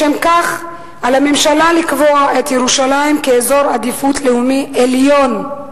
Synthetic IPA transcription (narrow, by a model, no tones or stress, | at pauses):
emkaχ | ʔalhamemʃalalikvoaʔet̪jeʁuʃalaimkeːzo̞ʁad̪ifutleumiʔeljo̞n